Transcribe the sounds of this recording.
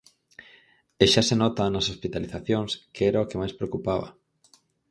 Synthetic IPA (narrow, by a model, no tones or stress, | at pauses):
eʃasenɔt̪anɐsospit̪aliθaθjoŋskʰeɛɾaokemajspɾeokupaβɐ